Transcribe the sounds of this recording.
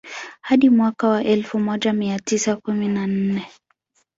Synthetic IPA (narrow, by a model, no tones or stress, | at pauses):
haɗimwakawaʔɛlfumɔʄamiatisakuminan̩nɛ